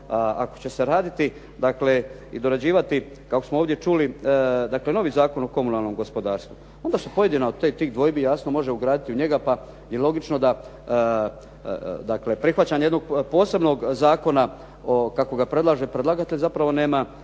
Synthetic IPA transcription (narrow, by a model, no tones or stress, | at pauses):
aa̰ko̞̥t͡ɕe̞se̞ɾaːd̪it̪i | d̪akle̞ | id̪o̞ɾad͡ʑiːʋat̪i | kakosmooːʋd̪je̞t͡ʃulid̪akle̞no̞ʋiːzaːko̞no̞ko̞munalˠnomɡo̞spo̞d̪aːɾst̪vu | o̞nd̪aːsupo̞je̞d̪inaod̪t̪et̪iːɣd̪ʋo̞jbijaːsno̞mo̞ʒe̞uɡɾaːd̪it̪iuɲe̞ɡapa | jelˠo̞ɡit͡ʃno̞d̪a | d̪akle̞pɾixʋat͡ɕaːɲejed̪no̞ɡ̚po̞ːse̞bno̞ɡzaːko̞na | okako̞ɡapɾe̞d̪lˠaʒe̞pɾed̪lˠaɡat̪eʎʲzapɾaʋo̞ne̞ːma